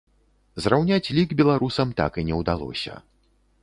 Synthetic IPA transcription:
zrawnʲat͡sʲlʲiɡbʲɛlˠaɾusɐmt̪a̰kinʲɛwd̪alˠɔ̰sʲɐ̰

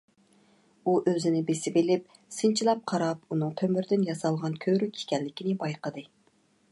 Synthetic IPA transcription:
uʔøzɪnɪbesɪbɪlɪp̚ | sɨnt͡ʃʰilˠɑp̚qʰɑɾɑpunɨŋt̪ʰømyɾd̪ɪnjɑsɑlˠʁɑnkʲʰøɾykʲi̥kʲɛlːɪkʲinɪbɑjqəd̪ɨ

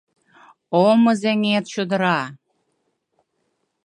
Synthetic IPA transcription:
omɤ̆zeŋet̪ɕod̪ə̆ɾɑ

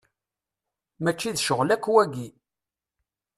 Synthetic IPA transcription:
mæt͡ʃːiðʃəʁlækːwæɡi

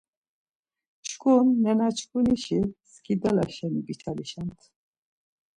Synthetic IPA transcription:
t͡ʃʰkʼunːɛnat͡ʃʰkʼuniʃiskʰid̪alaʃɛnuɡit͡ʃʰaliʃant̪ʰ

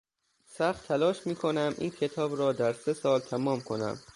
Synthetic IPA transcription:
sæxt̪ʰːælɒːʃmiːkʰo̞næmʔḭːncʲʰe̞t̪ʰɒːbɾɒːd̪æɾse̞sɒːlt̪ʰæmɒːmkʰo̞næ̰m

